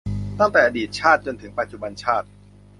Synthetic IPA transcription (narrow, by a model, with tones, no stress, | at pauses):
t̪a˥˩ŋt̪ɛː˨˩ʔa˧diː˨˩t̪̚t͡ɕʰaː˥˩t̪̚t͡ɕo˧nt̪ʰɯ˩˦ŋpa˨˧t̪̚t͡ɕu˨˩ba˧nt͡ɕʰaː˥˩t̪̚